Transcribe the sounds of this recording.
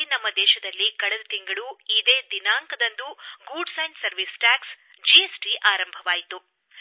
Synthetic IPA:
nɐmːɐd̪ɛːʃɐd̪ɐlːikɐɭɛd̪ut̪iŋɡɐɭuid̪e̞ːd̪inaːŋkɐd̪ɐnd̪uɡuɖsɐjnʈsɐɾʋisʈaːks | d͡ʒiesʈiʔaːɾɐmbʱɐʋaːjit̪u

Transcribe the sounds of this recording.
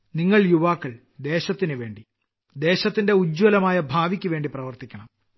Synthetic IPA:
niŋːɐɭjuʋaːkːɐɭ | d̪e̞ːɕɐt̪ːinɨʋe̞ːɳɖi | d̪e̞ːɕɐt̪ːinde̞ud͡ʑwɐlɐmaːjɐbʱaːʋikʲːuʋe̞ːɳɖiprɐʋɐrt̪ikʲːɐɳɐm

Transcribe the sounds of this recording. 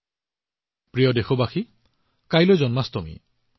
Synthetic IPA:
pɹijɔdexʰɔbaxʰi | kajlojzɔnmast̪ɔmḭ

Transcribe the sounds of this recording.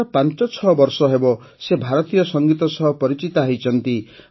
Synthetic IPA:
ɔpant͡ʃɔt͡ʃʰɔbɔɾsɔɦebɔ | sebʱaɾɔt̪ijɔsɔŋɡit̪ɔsɔɦɔpɔɾit͡ʃit̪aɦjt͡ʃʰɔnt̪i

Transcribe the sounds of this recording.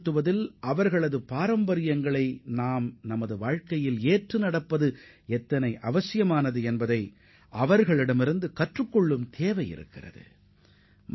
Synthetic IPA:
t̪ːɯʋɐðɪlʔɐʋɐɾɣɐɭɐðɯpaːɾɐmbɐɾɪjɐŋɡɐɭɐɪnaːmnɐmɐðɯʋaːɻkɐjɪleːʈrɯnɐɽɐpːɐðɯ | ɛt̪ːɐnɐɪʔɐʋɐsɪjɐmaːnɐðɯɛnbɐðɐɪ | ʔɐʋɐɾɣɐɭɪɽɐmɪɾɯnd̪ɯkɐʈrɯkːɔɭːɯmt̪ʰeːʋɐjɪ̰ɾɯ̰kːɪ̰rɐ̰ðɯ̰

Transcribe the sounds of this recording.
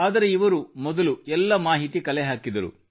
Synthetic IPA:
aːd̪ɐɾe̞iʋɐɾumɔd̪ɐluɛlːɐmaːɦit̪ikɐlɛɦaːkid̪ɐɾṵ

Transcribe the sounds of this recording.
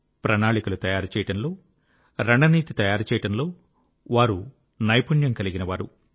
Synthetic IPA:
pɾɐnaːɭikɐlut̪ɐjaːɾut͡ʃɛːjɐʈɐnlo̞ː | ɾɐɳɖɐniːt̪it̪ɐjaːɾut͡ʃɛːjɐʈɐnlo̞ː | ʋaːɾu | nɐjpuɳjɐmkɐliɡinɐʋaːɾu

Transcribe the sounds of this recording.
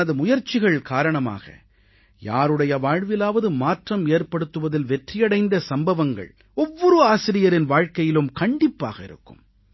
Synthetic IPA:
ɐðɯmʊjɐɾt͡ʃːɪɣɐɭkaːɾɐɳɐma̰ːɣɐ̰ | ja̰ːɾɯɽɐjɐʋaːɻʋɪlaːʋɐðɯmaːʈrɐmeːɾpɐɽɯt̪ːɯʋɐðɪlʋɛʈrɪjɐɽɐɪnd̪ɐsɐmbɐʋɐŋɡɐ̰ɭ | ɔʋːɔɾɯaːsɪɾɪjɐɾɪnʋaːɻkɐjɪlɯmkɐɳɖɪpːa̰ːɣɐɪ̰ɾɯ̰kːɯm

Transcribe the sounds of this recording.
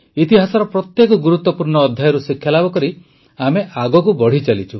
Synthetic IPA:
it̪iɦasɔɾɔpɾɔt̪jekɔɡuɾut̪wɔpuɾɳɔːd̪ʱjajɔɾusikʰːjalabɔkɔɾi | ameʔaɡɔkubɔɽ̤it͡ʃalit͡ʃʰu

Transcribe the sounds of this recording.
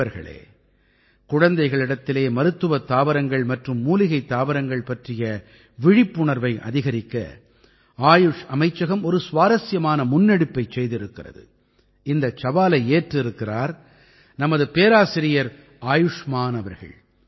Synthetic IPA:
ɐɾɣɐ̰ɭḛː | kʊɻɐnd̪ɐɪɣɐɭɪɽɐt̪ːɪleːmɐɾɯt̪ːɯʋɐt̪ːaːʋɐɾɐŋɡɐɭmɐʈrɯmːuːlɪɣɐɪt̪ːaːʋɐɾɐŋɡɐɭpɐʈrɪjɐ | ʋɪɻɪpːʊɳɐɾʋɐɪʔɐ̰ðɪɣɐɾɪkːɐ̰ | aːjɯʂɐmɐɪt͡ʃːɐɣɐmɔɾɯsʋaːɾɐsɪjɐmaːnɐmʊnːɐɽɪpːɐɪt͡ʃsɛjðɪɾɯkːɪrɐ̰ðɯ̰ | ɪnd̪ɐt͡ʃɐʋaːlɐɪeːʈrɪɾɯkːɪraːɾ | nɐmɐðɯpeːɾaːsɪɾɪjɐɾ | aːjʊʂmaːnɐʋɐɾɣɐ̰ɭ

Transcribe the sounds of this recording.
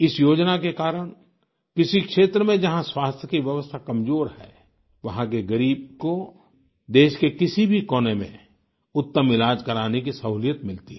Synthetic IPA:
ɪsjoːd͡ʒnakekaːɾəɽ̃ | kɪsikʃeːt̪ɾəmẽd͡ʒɐɦãswaːst̪ʰjəkiʋjəʋəst̪ʰakɐmzoːɾhɛ̰ː | ʋɐɦãkeɡɐɾiːb̚ko | d̪eːʃkekɪsibʱikɔːnemḛ̃ | ʊt̪ːəmɪlaːd͡ʒkɐɾaːnek̬isɐɦuːljət̪mɪlt̪iɦɛ

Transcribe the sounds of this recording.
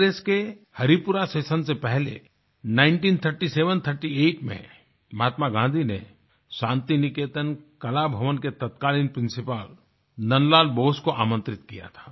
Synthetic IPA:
ɾeːske | hɐɾipʊɾaseːsənsepɛɦlḛ | naːɪ̃ɳʈiːnt̪ʰəɾʈiseːʋənt̪ʰəɾʈieːʈmḛ̃ | mɦaːt̪maɡʱãːnd̪ʱinḛ | ʃãːnt̪inɪkeːt̪ənkɐlabʱɐʋənket̪ɐt̪kaːlĩːnpɾɪ̃nsɪpaːl | nɐnlaːlboːskoʔaːmə̃nt̪ɾɪt̪kija̰t̪ʰḁː

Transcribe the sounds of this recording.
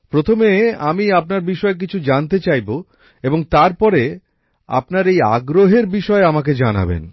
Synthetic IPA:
pɾot̪ʰomea̰miap̚naɾbiʃɔek̬it͡ɕʰud͡ʑant̪et͡ɕajbo | eboŋt̪aɾpɔɾe | a̰pnaɾeja̰ɡɾoɦeɾbiʃɔeamak̬ed͡ʑana̰bḛn

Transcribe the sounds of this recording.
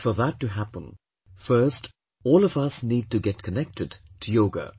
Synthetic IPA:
fə˞ðətːɨɦæpə̃n | fɜ˞st | ɔːlˠʌvʌsniːd̚tɨɡɛt̚kʰənɛk̚tɨdtʰɨjoʊɡə̰

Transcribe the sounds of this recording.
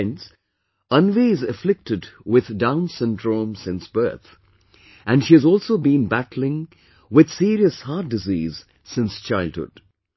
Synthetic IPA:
ns | ʌ̃nvezɨflɪk̚tɨdwɪð̥dãʊ̃nsɨ̃ndɹõmsɪ̃nsb̥ɜ̰˞θ | ʔɨ̃nʃiɨzɔlˠsoʊbĩnbætl̩ˠɪ̃ŋ | wɪð̥siɾiəshɑɹt̚d̥ɨziːz̥ | sɪ̃nst͡ʃʰaɪlˠd̚hʊ̰d̥

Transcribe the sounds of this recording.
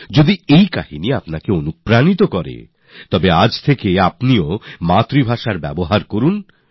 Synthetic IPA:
d͡ʑod̪iejkahiniapnakeonupɾanit̪okɔɾḛ | t̪ɔbead͡ʑt̪ʰekeapniomat̪ɾibʱaʃaɾbɛ̰boɦaɾkoɾun

